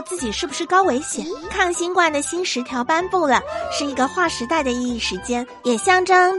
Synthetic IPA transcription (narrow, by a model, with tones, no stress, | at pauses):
t͡sɹ̩˥˩t͡ɕi˨˩ʂɻ̩˥˩bu˩ʂɻ̩˥˩kɑ˥ʊwe˧˥ɪɕjɛ˨˩˦nkʰɑ˥˩ŋɕi˥ŋkwa˥˩nd̪ə˩ɕi˥nʂɻ̩˧˥t̪ʰjɑ˧˥ʊpa˥npu˥˩lə˩ʂɻ̩˥˩i˧˥ɡə˧xwa˥˩ʂɻ̩˧˥t̪a˥˩ɪd̪ə˩i˥˧i˥˩ʂɻ̩˧˥t͡ɕjɛ˥n | jɛ˨˩ɕjɑ˥˧ŋʈ͡ʂɤ˥ŋ